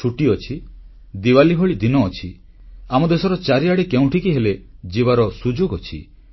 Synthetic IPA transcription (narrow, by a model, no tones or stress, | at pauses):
uʈiɔt͡ʃʰi | d̪iwaliɦɔɭid̪inɔːt͡ʃʰi | amɔd̪esɔɾɔt͡ʃaɾiaɽikeũʈʰikiɦeled͡ʒiβaɾɔsud͡ʒoɡɔt͡ʃʰḭ